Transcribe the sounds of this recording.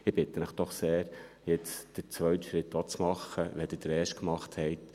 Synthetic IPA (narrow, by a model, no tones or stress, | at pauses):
ɪb̥ɪt̪ːənəχd̥ɔχseːɾ | jɪt͡sd̥əɾt͡sʋœɥt̪ʃɾɪtːɑt͡smɑχːəʋɛd̥ɪd̥əɾɛːʃt̚kmɑχthɛɪt̪